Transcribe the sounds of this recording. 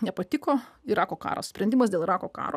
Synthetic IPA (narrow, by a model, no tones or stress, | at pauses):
nʲɛpɐt̪ʲɪkoːiɾɑːkoːkɑ̰ːɾo̰sʲpʲɾʲɛnd̪ʲɪmɐsd̪ʲeːlˠɪɾɑːkoːkɑ̰ːɾoː